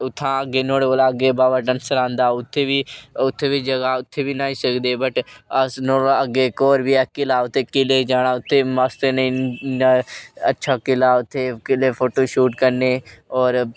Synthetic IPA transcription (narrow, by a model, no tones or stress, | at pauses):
ʊt̪ʰːãːəɡeːnoːɽeoːlaːəɡeːbaːʋəʈənsəɾãːnd̪aːʊt̪ʰːeːʋiːʊt̪ʰːeːʋiːd͡ʒəɡaːʊt̪ʰːeːʋiːnaːĩːsəkd̪eːbəʈəsnoːəɡeːkoːɾbiːɛːkɪlaːʊt̪ʰːeːkɪleːd͡ʒaːɽ̃aːʊt̪ʰːeːmaːst̪enəĩːnəətːʃʰaːkɪlaːʊt̪ʰːeːkɪleːpʰoːʈoːʃuːʈkəɾneːɔːɾ